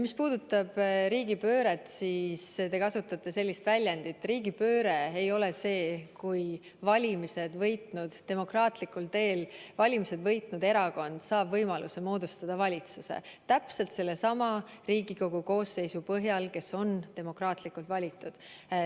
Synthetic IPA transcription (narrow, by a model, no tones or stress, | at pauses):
mispuːd̪ut̪ːˑɑb̥ɾiːɡipø̞ːɾe̞t̪siːst̪e̞kɑsut̪ːˑɑt̪ːˑe̞se̞lʲːist̪vælʲjænd̪̥it̪ːˑriːɡipø̞ːɾe̞ejo̞le̞se̞ːkuj | vɑlʲimise̞d̪vɤjt̪nud̪̥t̪e̞mo̞krɑːt̪likult̪e̞ːlvɑlʲimise̞d̪̥vɤjt̪nud̪e̞ɾɑko̞nd̪̥sɑːb̥vɤjmɑlʔuse̞mo̞ːd̪̥ust̪ɑd̪̥ɑvɑlʲit̪susḛt̪æpse̞lt̪se̞lːe̞sɑmɑriːɡ̥iko̞ɡ̥uko̞ːsːe̞jsupɤɦjɑlke̞so̞nt̪e̞mo̞krɑːt̪likult̪vɑlʲit̪ːˑud̪̥